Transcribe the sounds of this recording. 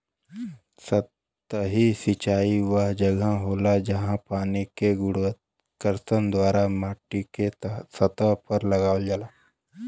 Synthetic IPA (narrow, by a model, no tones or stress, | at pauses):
sət | ɦisit͡ʃaːiʋəɦd͡ʒɐɡʱãɦoːlad͡ʒɐɦãpaːnikeɡʊɽət̪ | kəɾsənd̪ʋaːɾamaːʈːikesɐt̪əpɐɾlɐɡaːʋəld͡ʒala